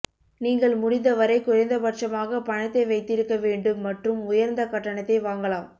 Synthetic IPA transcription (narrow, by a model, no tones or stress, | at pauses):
niːŋɡɐɭmʊɽɪnd̪ɐʋɐɾɐɪkʊrɐɪnd̪ɐpɐʈt͡ʃɐmaːɣɐpɐɳɐt̪ːɐɪʋɐɪt̪ːɪɾɯkːɐʋeːɳɖɯmːɐʈrɯmʊjɐɾnd̪ɐkɐʈːɐɳɐt̪ːɐɪʋaːŋɡɐɭaːm